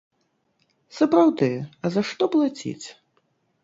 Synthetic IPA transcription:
sɐpɾawd̪ɨjɐzaʂt̪ɔplˠat͡sʲḭt͡sʲ

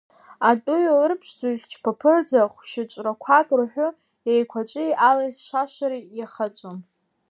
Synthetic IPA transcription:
atʼʊjalɨrpʰʂd͡zʼaiɮʲt͡ʃʰpʰapʰɨrd͡zaχʷʃɪt͡ʃʷʼrakʷʰakʼrħʷᶣʊ | ejkʷʰat͡ʃʷʼɪjʔalaʃʷaʃaɾijaχat͡sʷʼom

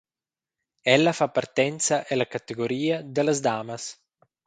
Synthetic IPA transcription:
ɛlːafapːart̪ɛnt̪saʔelakat̪eɡoɾiːad̪elazd̪aːmas

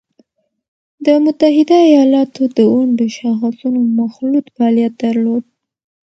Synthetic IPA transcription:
d̪əmʊt̪aɦɪd̪aajɑlɑt̪ʰod̪əwaɳɖəʃaxsunomaxlut̪faɑlijat̪̚d̪aɾlod̪̚

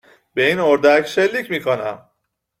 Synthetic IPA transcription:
be̞iːnoɾd̪æcʰʃe̞lːiːcmiːkʰo̞næm

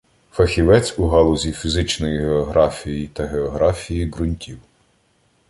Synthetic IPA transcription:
fɐxʲiʋɛt͡sʲuɦɑlˠɔzʲifʲizɪt͡ʃnɔjiɦeɔɦɾɑfʲijjit̪ɐɦeɔɦɾɑfʲijiɡɾʊnʲtʲiw

